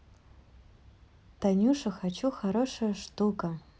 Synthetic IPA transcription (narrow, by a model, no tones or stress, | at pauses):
t̪anʲuʂɐxat͡ɕuxaɾoʂɐʂt̪ukɐ